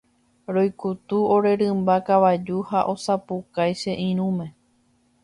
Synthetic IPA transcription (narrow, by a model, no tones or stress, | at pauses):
ɾo̞jkut̪uoɾe̞ɾɨmbakaʋad͡ʒuhaʔo̞sapukajʃeʔĩɾ̃ũmẽ̞